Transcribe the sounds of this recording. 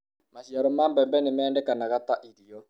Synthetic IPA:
maʃiaɾɔmambɛmbɛnemɛːndɛkanaɣataʔiɾiɔ

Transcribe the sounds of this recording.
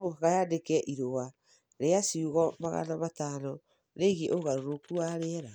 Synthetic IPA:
oɣajadekɛʔiɾowa | ɾeasiuɣɔmaɣa̰nɔmataːnɔ | ɾeɣeʔoɣaɾoɾokuaɾeɛɾa

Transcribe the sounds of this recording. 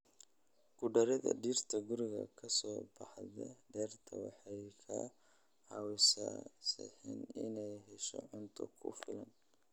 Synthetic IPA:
ɡ̥ʊɖɐɾɐðɐ̰ɖiːrt̪ʰɐɡʊɾɪɣɐ̰kʰɐsɔːbɑħðɐɖɛːrt̪ʰɐwɑħɑjkʰɐ | ʕɑwɪsɐsɪ̰ħḭnɪnɛjɦɛʃɔ̰ʕʊnt̪ʰɐkʰʊfɪlɐn

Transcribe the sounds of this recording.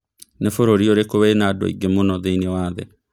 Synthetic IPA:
nefoɾoɾioɾekoβenadɔ̰ḭɡemonɔðeinewaːðɛ̰

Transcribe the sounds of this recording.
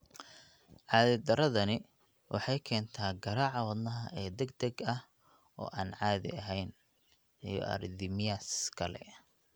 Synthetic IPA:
ʕɑːðɪd̪ɐɾɐðɐnɪ | wʔɑ̰ħɑjkʰɛːnt̪ʰaːɡɐɾaːʕɑwɑd̪nɐɦɐʔɛːd̪ɛɡd̪ɐɡɐh | ʔɔ̰ːʔaːnʕɑːðɪ̰ɐɦɛjn | ij̰ʔɐ̰rd̪ɪmɪjaskʰɐlɛ̰

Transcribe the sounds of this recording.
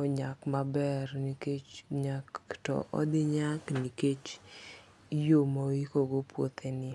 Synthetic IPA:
ɔɲakmabɛrniket͡ʃɲaktɔ̰ʔɔ̰d̪ɪɲakniket͡ʃ | jomaikoɡopwo̰t̪enɪ

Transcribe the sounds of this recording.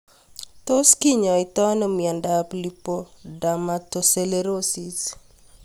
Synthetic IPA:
t̪oskiɲɔɪt̪ɔnɔmiandaplipodamatoseleɾosis

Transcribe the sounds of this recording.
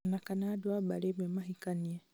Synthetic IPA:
nakanadwabalememahikanie

